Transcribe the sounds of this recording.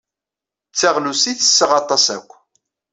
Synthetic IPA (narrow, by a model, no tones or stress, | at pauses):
t͡sːaʁlusiθə̥sːəʁɑt̪ˤɑsæ̰kʷː